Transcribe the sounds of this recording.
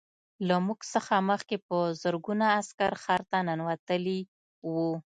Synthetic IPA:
lamuɡsəxaməxkepəzəɾɡunaːskaɾxɑɾt̪ananwat̪əli | wu

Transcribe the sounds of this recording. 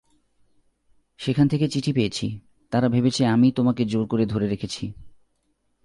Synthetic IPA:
ʃekʰant̪ʰeket͡ɕiʈʰipeet͡ɕʰḭ | t̪aɾabʱebet͡ɕʰeamit̪omaked͡ʑoɾkoɾed̪ʱoɾeɾekʰet͡ɕʰi

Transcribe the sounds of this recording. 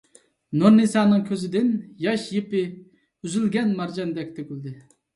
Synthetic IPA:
noɾnisɑːnɨŋkʲʰøzɪd̪ɪnjɑʃjepɪ | yzylɡʲɛnmɑɾd͡ʒɑnd̪ɛk̚ʲt̪ʰøkʲyld̪ɪ

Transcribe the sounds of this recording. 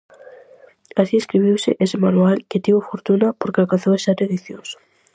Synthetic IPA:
asieskɾiβ̞iwsɪ̰ʔesɪmanualkɪt̪iβofoɾt̪unɐpoɾkeakãn̟θoesat̪eðiθjosʊ̥

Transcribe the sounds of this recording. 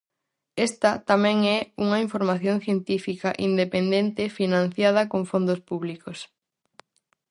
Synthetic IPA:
est̪ɐt̪amɛ̃ŋɛuŋɐiɱfoɾmaθjõnθjent̪ifikɐʔind̪epend̪ent̪ɪfinãn̟θjað̞ɐkoŋfond̪ospuβlikos

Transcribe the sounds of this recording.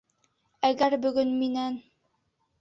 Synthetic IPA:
æɡæɾbɵ̆ɡɵnminæn

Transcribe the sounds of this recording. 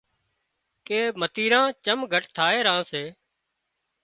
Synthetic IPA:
keːmət̪iːɾãːt͡ʃəmɡʱəʈt̪ʰaːeːɾãːseː

